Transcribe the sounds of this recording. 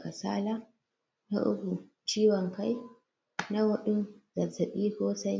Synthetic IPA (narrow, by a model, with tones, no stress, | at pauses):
ka˨sa̰ː˦la˦ | na̰˦ʔʊ̰˦kʷu˨ | t͡ʃiː˦wɔ˨ŋka˦j | na˦wʊ˦ɗʊ˦nzɐ˨sɐ˨ɓiː˦kʷoː˦sɐ˦